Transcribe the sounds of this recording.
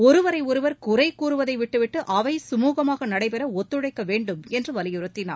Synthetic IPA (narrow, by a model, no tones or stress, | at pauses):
ɔɾɯʋɐɾɐɪɔɾɯʋɐɾkʊrɐɪkuːɾɯʋɐðɐɪʋɪʈːɯʋɪʈːɯʔɐʋɐɪsʊmuːɣɐmaːɣɐnɐɽɐɪpɛɾɐɔt̪ːɯɻɐɪkːɐʋeːɳɖɯmɛndrɯʋɐlɪjɯɾɯt̪ːɪna̰ː